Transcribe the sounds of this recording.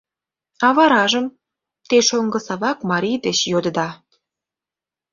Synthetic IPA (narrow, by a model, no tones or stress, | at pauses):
ɑβɑɾɑʒəm | t̪eʃoŋɡə̆sɑβɑkmɑɾʲijd̪et͡ɕjod̪əd̪ɑ